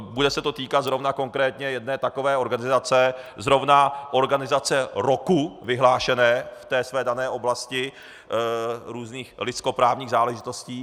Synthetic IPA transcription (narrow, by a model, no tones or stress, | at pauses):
budɛsɛt̪o̞t̪iːkat̪zɾo̞vnako̞ŋkɾɛːt̪ɲɛjɛdnɛːt̪ako̞vɛːo̞ɾɡanɪzat͡sɛzɾo̞vnaʔo̞ɾɡanɪzat͡sɛɾokuvɪɦlaːʃɛnɛːft̪ɛːsvɛːdanɛːʔo̞blascɪ | ɾuːzniːxlɪt͡sko̞pɾaːvɲiːɣzaːlɛʒɪt̪o̞sciː